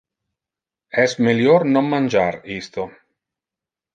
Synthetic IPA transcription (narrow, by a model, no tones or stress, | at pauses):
ɛsmeljornomːand͡ʒaɾist̪o